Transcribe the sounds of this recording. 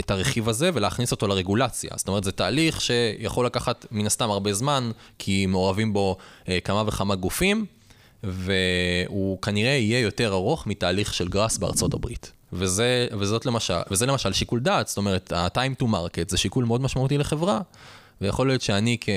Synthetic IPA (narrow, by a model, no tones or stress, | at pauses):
etaʁeχivaze̞ve̞leːχniso̞to̞laʁe̞ɡulat͡sja̰st̪om̞etzetaːliχʃe̞ja̰χolakaχatminast̪amaʁbe̞zmankʰimeo̞ʁavimbo̞kamaveχamaɡufim | ve̞ukaniʁe̞ije̞jo̞te̞ʁaʁo̞χmitaːliχʃe̞lɡʁasbea̰ʁt͡so̞tabʁḭt | vezevezo̞tlemaʃa̰vezelemaʃalʃikuldaːtst̪o̞me̞ʁ̞eta̰tajmtumaʁketzeʃikulmeo̞dmaʃmautileχevʁa | vejaχo̞lːijo̞t̪ʃeanikʰe